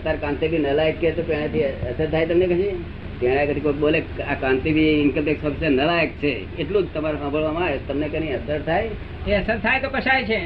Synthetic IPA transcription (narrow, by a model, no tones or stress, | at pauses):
t̪aɾkãnt̪ibʱinəlajekːet̪opẽɽ̃et̪ʰiəsəɾt̪ʰajt̪əmnekəʃi | pɛ̃ɽ̃akət̪ʰikokɓoleakãnt̪ibʱiɪnkəmpeksɔpʰisənəlajek̚t͡ʃʰe | eʈlũd͡ʒt̪əmaɾosãmbʱəɭʋamãet̪əmnekəniəsəɾt̪ʰaj | eəsəɾt̪ʰajt̪okəʃajt͡ʃʰe